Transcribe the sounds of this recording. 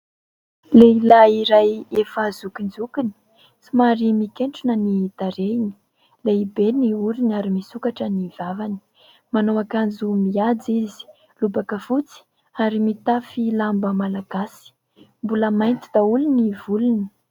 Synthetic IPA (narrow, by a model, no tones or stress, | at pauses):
leilaiɾajefazukind͡zukini̥ | simaɾimikeɳʈ͡ʂunənid̪̥aɾeini̥ | leibeniuɾinaɾimisukaʈ͡ʂənivavani̥ | manowakand͡zumiad͡zizi̥ | lubakəfut͡si̥ | aɾimit̪afilambəmalaɡ̥asi̥ | mbuləmajnt̪id̪aulunivuluni̥